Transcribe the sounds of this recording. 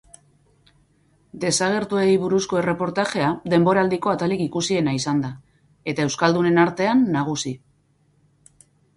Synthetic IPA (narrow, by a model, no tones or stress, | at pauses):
d̪e̞saɣ̞e̞ɾt̪uejβuɾusko̞e̞re̞po̞ɾt̪aʝe̞ad̪e̞mbo̞ɾald̪iko̞at̪alikikusie̞naisand̪a | e̞t̪aewskald̪une̞naɾt̪e̞anːaɣ̞usi